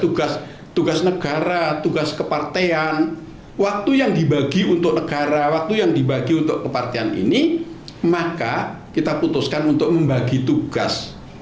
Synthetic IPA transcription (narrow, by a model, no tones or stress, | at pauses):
t̪uɡas | t̪uɡasnəɡ̥aɾat̪uɡaskəpart̪ean | wak̚t̪ujaŋdibaɡiunt̪ʊk̚nəɡ̥aɾawak̚t̪ujaŋdibaɡiunt̪ʊʔkəpart̪eanḭnimaka | kit̪aput̪ʊskanunt̪ʊk̚məmbaɡit̪uɡ̥as